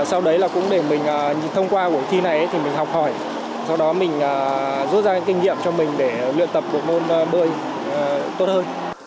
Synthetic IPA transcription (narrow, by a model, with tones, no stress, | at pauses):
sa˧wɗə˨˦jlaː˨˩kʊ̰˧˥ŋ͡mɗe˧˩mï˨˩ŋ̟ʔəː˨˩˨t̪ʰə˧wŋ͡mkwaː˧ku˧˩ət̪ʰi˧na˨˩jʔə˨˦t̪ʰi˨˩mï˨˩ŋ̟hɔ˨˩wk͡p̚hɔ˧˩j | sa˧wɗɔ˨˦mï˨˩ŋ̟ʔəː˨˩zu˦˥t̚zaː˧˥ŋki˧ŋ̟ŋḭ˧˨əmt͡ɕɔ˧mï˨˩ŋ̟ɗe˧˩lɨ̰˧˨ənt̪ə˨˩p̚ɗo̰˧˨jmo˧n˧ɓə˧əj | t̪o˦˥t̚həː˧n